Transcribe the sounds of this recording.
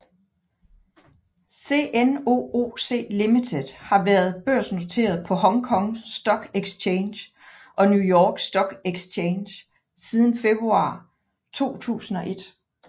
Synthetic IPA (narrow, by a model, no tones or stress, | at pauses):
se̝̰ːʔeno̝̰ːo̝̰ːse̝̰ːlimit͡sʰe̝ð̥ˠhɑ̈ʋæːɐð̞̩ˠb̥øɐ̰sno̝t͡sʰe̝̰ːɐð̞̩ˠpʰɒ̽hɒ̽ŋkʰɒ̽ŋsd̥ɒ̽ɡ̥eɡ̥st͡ɕʰeːnɕ | ʔɒ̽njujɒːɡ̥sd̥ɒ̽ɡ̥eɡ̥st͡ɕʰeɪnɕ | sið̞ˠn̩fe̝b̥ʁuɑ̰̈ː | t͡sʰo̝̰ːt͡sʰṵːsn̩ɒ̽ʔe̝d̥